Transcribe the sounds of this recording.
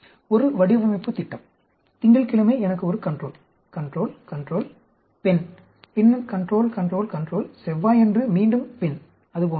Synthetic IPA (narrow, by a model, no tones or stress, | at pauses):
ɔɾɯʋɐɽɪʋɐmɐɪpːɯt̪ɪʈːɐm | t̪ɪŋɡɐɭkɪɭɐmeːɛnɐkːɯɔɾɯkɐɳɖroːl | kɐɳɖroːlkɐɳɖroːl | pɛn | pɪnːɐkɐɳɖɾoːlkɐɳɖɾoːlkɐɳɖroːlsɛʋːaːjɛndrɯmiːɳɖɯmpɪn | ɐðɯp̬oː